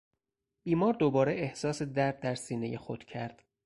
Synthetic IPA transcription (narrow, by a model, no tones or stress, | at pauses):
b̥iːmɒːɾd̪obɒːɾeehsɒːse̞d̪æɾb̚d̪æɾsiːne̞̰jexo̰d̪̥cʰæɾd̪̥